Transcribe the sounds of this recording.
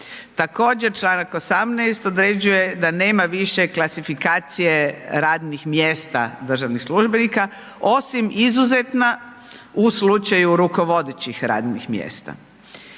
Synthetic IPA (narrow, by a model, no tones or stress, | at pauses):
t̪ako̞ːd͡ʑeɾt͡ʃlˠaːnakosamnɛjst̪o̞d̪ɾed͡ʑuje̞d̪ane̞ːmaʋiʃe̞klasifikaːt̪sije̞ɾaːd̪nixmjeːst̪a̰d̪r̩ʒaʋnixsluʒbenika | o̞simizuzet̪na | uslut͡ʃajuɾuko̞ʋo̞d̪et͡ɕixɾa̰ːd̪nḭxmjḛst̪a̰